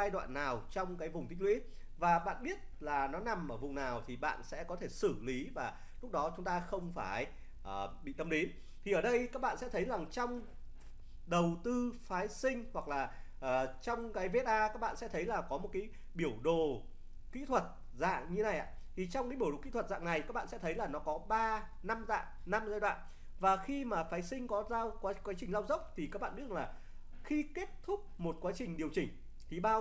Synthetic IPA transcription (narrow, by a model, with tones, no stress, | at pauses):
aː˧jɗwa̰ː˧˨nːaː˨˩wt͡ɕɔ˧wŋ͡mkaː˨˦jvʊ˨˩ŋ͡mt̪ʰï̟˦˥wḭ˧˦˥ | vaː˨˩ɓa̰ː˧˨nɓi˦˥ət̚laː˨˩nɔ˨˦na˨˩mʔəː˧˩vʊ˨˩ŋ͡mnaː˨˩wt̪ʰi˨˩ɓa̰ː˧˨nsɛ̰˧˥kɔ˨˦t̪ʰe˧˩sɨ˧˩li˨˦vaː˨˩ | lʊ˦˥k̚ɗɔ˨˦t͡ɕʊ˨˦ŋ͡mt̪aː˧xə˧wŋ͡mfaː˧˩j | ʔəː˨˩ɓḭ˧˨t̪ə˧mɗe˨˦n | t̪ʰi˨˩ʔəː˧˩ɗə˧jkaː˦˥k̚ɓa̰ː˧˨nsɛ̰˧˥t̪ʰə˨˦jza˨˩ŋt͡ɕɔ˧wŋ͡m | ɗə˨˩wt̪ɨ˧faː˨˦jsï˧ŋ̟hwa˨˩k̚laː˨˩ | ʔəː˨˩t͡ɕɔ˧wŋ͡mkaː˨˦jve˧˦˥t̚ʔaː˧ka˦˥k̚ɓa̰ː˧˨sɛ̰˧˥t̪ʰə˨˦jlaː˨˩kɔ˨˦mo˨˩t̚kaː˨˦j | ɓi˧˩əwɗo˧˨ | kḭ˧˥t̪ʰwə˨˩t̚ | za̰ː˧˨ŋɲɨ˧˦na˨˩jʔa̰ː˨˧˦ | t̪ʰi˨˩t͡ɕɔ˧wŋ͡mkaː˨˦ɓi˧˩ɗo̰˨˩kḭ˧˥t̪ʰə˨˩t̚za̰ː˧˨ŋna˨˩jka˦˥k̚ɓ̰aː˧˨sɛ̰˧˥t̪ʰə˨˦jlaː˨˩nɔ˨˦kɔ˨˦ɓaː˧ | na˧mza̰ː˧˨nna˧mzaː˧jɗwa̰ː˧˨n | vaː˨˩xi˧maː˨˩faː˨˦jsï˧ŋ̟kɔ˨˦zaː˧wkwaː˨˦kwaː˨˦t͡ɕï˨˩ŋ̟la˧wzə˦˥wk͡p̚t̪ʰi˨˩kaː˦˥k̚ɓ̰a̰ː˧˨ɗlaː˨˩ | xi˧ke˦˥t̚t̪ʰʊ˦˥k͡p̚mo˨˩t̚kwaː˨˦t͡ɕï˨˩ŋ̟ɗi˨˩əwt͡ɕï˨˩ŋ̟ | t̪ʰi˨˩ɓaː˧